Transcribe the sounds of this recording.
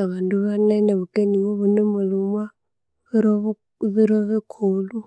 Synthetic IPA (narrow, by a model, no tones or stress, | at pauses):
aβanduβanainaβukeniwɔβunɛmuluma | βɾɔ | βiɾwɔβɛkʰuːlu